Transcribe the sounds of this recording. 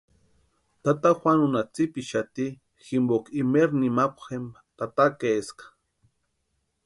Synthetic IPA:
t̪at̪axʷanunat͡sipiʃat̪i | ximbokimeɾnimakʷxem | t̪at̪akeskḁ

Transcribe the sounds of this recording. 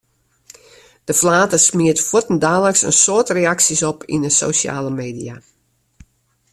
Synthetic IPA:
d̥əflaːtəsmiətfutən̩daːləksə̰nsoətreaksisɔpʰḭnəso̰wsa̰ːləmeːdija

